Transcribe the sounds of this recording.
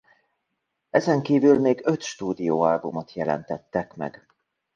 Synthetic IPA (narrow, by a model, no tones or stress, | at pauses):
ɛzɛŋkiːvylmeːɡø̞t̪ʃt̪uːd̪ijoːalbumo̞t̪jɛlɛ̰nt̪ɛt̪ːɛkmɛ̰ɡ